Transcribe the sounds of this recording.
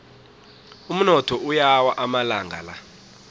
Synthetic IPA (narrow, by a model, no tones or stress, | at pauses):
um̩nɔtʰɔʔujawaʔamalaŋɡʱa̰la̰